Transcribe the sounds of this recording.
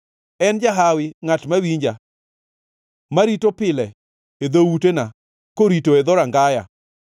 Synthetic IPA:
ɛnd͡ʒaɦawɪŋatmawiɲd͡ʒa | maɾitopɪlɛ | ed̪owutena | koɾitoed̪ɔɾaŋɡaja̰

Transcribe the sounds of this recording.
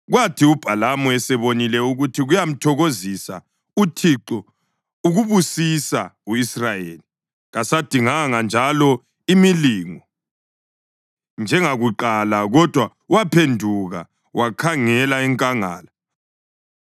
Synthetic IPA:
ɣwatʰiub̥ʱalamɔɛsɛβonilɛuɣutʰiɣujam̩tʰɔɣozisa̰ | utʰiǃɔ | uɣuβusisauisrajeːli | ɣasad̥ʱiŋaŋand͡ʒʱalɔ | imiliːŋɔ | nd͡ʒʱɛŋaɣuǃalaɣɔd̥ʱwa | uwapʰendʱuɣa̰ | wʔakʰaŋɛlaɛŋkʼaŋa̰ːla

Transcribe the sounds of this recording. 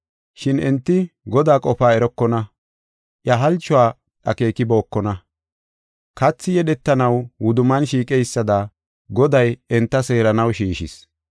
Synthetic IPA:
ʃɪnɛnt̪ːɪɡɔd̪aːkʼɔfaːɛɾɔkːɔnɐ | ʔjɐɦɐlt͡ʃːʊaː | ᶑɐke̞ːkɪbo̞ːkːɔnɐ | kɐt͡sːɪjɛɗɛt̪ːɐnɐwwʊd̪ʊmɐnʃiːkʼɛjsːɐd̪ɐ | ɡɔd̪ɐjɛnt̪ːɐse̞ːɾɐnɐwʃiːʃɪ̰s

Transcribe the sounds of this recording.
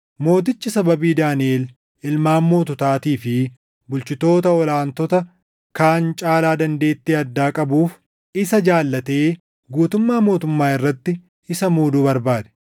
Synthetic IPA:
mo̞ːt̪̬ɪt͡ʃːɪsɐbɐbiːd̪aːnɪeːl | ʔɪlmaːmːo̞ːt̪ɔt̪aːt̪iːfɪ | bʊlt͡ʃɪt̪o̞ːt̪ɐɔlaːnt̪ɔt̪ɐ | kaːnt͡ʃʼaːlaːd̪ɐnd̪e̞ːt̪ːeːɐd̪ːaːkʼɐbuːf | ɪsɐd͡ʒaːlːɐt̪e̞ː | ɡuːt̪ʊmːaːmo̞ːt̪ʊmːaːɪrːɐt̪ːɪ | ɪsɐmuːd̪uːbɐɾbaːd̪ɛ̥

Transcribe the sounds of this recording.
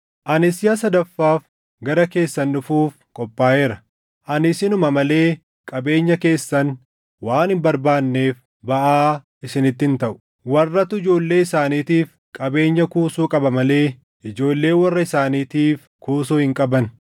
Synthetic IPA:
ʔɐnɪsɪjɐsɐd̪ɐfːaːf | ɡɐɾɐke̞ːsːɐnːʊfuːfkʼɔpʼːaːʔeːɾɐ | ʔɐnɪsɪnʊmɐmɐle̞ː | kʼɐbe̞ːɲːɐke̞ːsːɐn | waːnhɪmbɐɾbaːnːe̞ːf | bɐʔaː | ɪsɪnɪt̪ːɪnt̪ɐʔʊ̥ | wɐrːɐt̪ːʊɪd͡ʒo̞ːlːe̞ːɪsaːniːt̪iːf | kʼɐbe̞ːɲːɐkuːsuːkʼɐbɐmɐle̞ː | ʔɪd͡ʒo̞ːlːe̞ːnwɐrːɐɪsaːniːt̪iːf | kuːsuːhɪŋkʼɐbɐn

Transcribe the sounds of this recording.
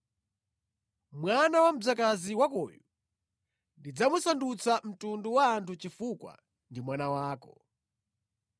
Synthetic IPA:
mwanawam̩d͡zakaziwakɔ̰ju | ndid͡zamusandut͡sam̩tunduwaːntʰut͡ʃifukwa̰ | ndimwanawaːkɔ

